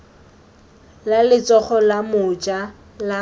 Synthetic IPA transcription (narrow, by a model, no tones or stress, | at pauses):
lalɪt͡sʼɔχɔlamʊt͡ʃa | la